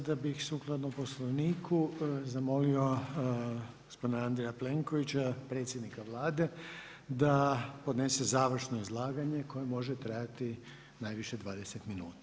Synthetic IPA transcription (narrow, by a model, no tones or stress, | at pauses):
d̪abixsuːklˠad̪nomposloʋniːkʰuzamo̞lio̞ | ɡɡospo̞d̪inaand̪ɾejaple̞ŋko̞ʋit͡ɕapɾe̞t̪sʲjed̪nikaʋlˠaːd̪e̞ | d̪apo̞d̪ne̞se̞zaːʋr̩ʃno̞izlˠaːɡaɲe̞ko̞jemo̞ʒet̪ɾajat̪i | najʋiʃe̞d̪ʋaːd̪ese̞t̪minuːt̪ḁ